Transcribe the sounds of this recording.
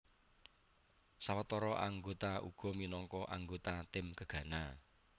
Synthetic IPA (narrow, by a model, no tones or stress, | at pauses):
sawət̪ɔɾɔʔa̰ŋɡot̪aʔṵɡ̥ɔ̤minɔŋkɔʔaŋɡot̪at̪ɪmkəɡ̥ä̤na